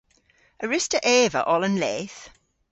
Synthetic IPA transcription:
əɹɪstəʔɛːvə̰ʔɔlə̃nleːθ

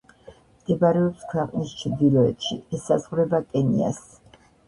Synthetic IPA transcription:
md̪̥ɛbaɾɛɔpskʰwɛqʼnist͡ʃʰd̪ilɔɛt̪ʃiɛsːazʁɾɛbakʼɛnia̰s

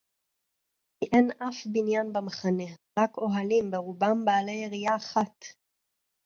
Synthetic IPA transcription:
kiʔenʔafbinjanbameχane̞ʁako̞ɦalimbeʁubambaːle̞jeʁijaːχat

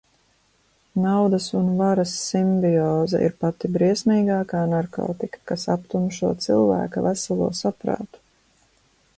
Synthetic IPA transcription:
nawd̪ɐsunvaɾɐsːimbiɔːza̰ʔḭɾpat̪ibɾiɛsmiːɡaːkaːnaɾko̰ːt̪ikḁkasapt̪umʃuɔt̪silˠvæ̰ːkavæsalˠuɔsapɾa̰ːt̪u̥

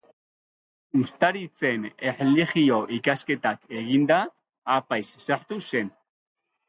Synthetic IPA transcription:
ust̪aɾit͡se̞neɾliχio̞ʔikaske̞t̪ake̞ɣind̪aː | pajsːaɾt̪use̞n

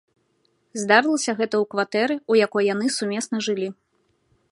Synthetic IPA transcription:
zd̪aɾɨlˠɐsʲɐɣɛt̪ɐwkvat̪ɛɾɨujakɔjjan̪ɨsumʲɛsnɐʐɨlʲi

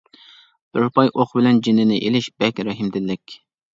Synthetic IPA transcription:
b̪̥ʊɾpɑjʔoχbɪlɛnd͡ʒinːɪnɪʔelɪʃb̥ɛkʲɾɛɦɪmd̪ɪlːɪkʲ

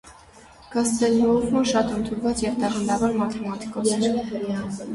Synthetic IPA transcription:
ɡ̥ɑsɾɛlmuvunʃɑt̪ənt̪ʰuɾvɑt͡sjɛvt̪ɛʁɑnd̪ɑvɔɾmɑt̪ʰɛmɑt̪ʰi̥kɔt͡sɛɾ

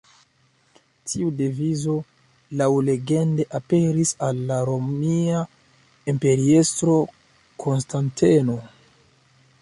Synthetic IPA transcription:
tʰiudevizo̞ | lawle̞ɡe̞nde̞ʔape̞ɾisalːaɾo̞mia | impe̞ɾie̞stɾo̞ | kʰo̞nstanteno̞

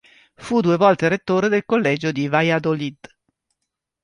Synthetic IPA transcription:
fud̪uːevɔlt̪eɾet̪ːoːɾed̪elkolːɛːd͡ʒod̪ivajad̪olid̪

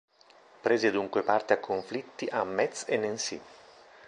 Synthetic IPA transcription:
pɾeːziad̪uŋkwepart̪eakʰːoɱflit̪ːiʔamːɛt̪senːensḭ

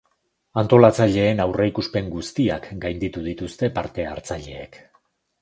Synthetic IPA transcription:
ant̪o̞lat͡saʎe̞ːnawreikuspe̞ŋɡust̪ia̰kɡajnd̪it̪uð̞it̪ust̪e̞paɾt̪e̞a̰ɾt͡saʎe̞̰ːk

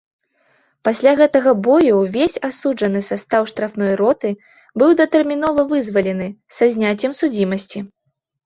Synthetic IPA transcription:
pasʲlʲaɣɛt̪ɐɣɐbɔjuvʲesʲasuʐɐn̪ɨsast̪awʂt̪ɾafnɔjɾɔt̪ɨ | bɨwd̪ɐt̪ɛrmʲinɔvɐvɨzvɐlʲɛnɨsazʲnʲat͡sʲːɛmsud͡zʲimɐsʲt͡sʲi

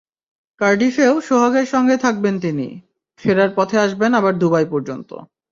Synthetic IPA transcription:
kaɾɖiʃeoʃoɦaɡeɾʃɔŋɡet̪ʰak̚bent̪inḭ | feɾaɾpɔt̪ʰeaʃbenabaɾd̪ubajpɔɾd͡ʑont̪o̰

